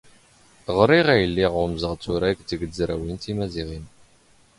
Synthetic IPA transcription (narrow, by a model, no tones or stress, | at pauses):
ʁɾiʁæjlːiʁʊmzəʁt͡sːuɾækt͡səɡd͡zɾæwint̪imæziʁin